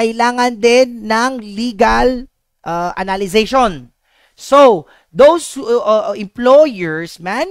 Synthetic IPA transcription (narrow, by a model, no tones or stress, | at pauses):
ɐʔɪlaːŋɐnd̪ɛnːɐŋliːɡɐl | ʔɐʔɐ̰nalɪzejʃon | so | d̪owshʔɪ̃mplojɛɹsman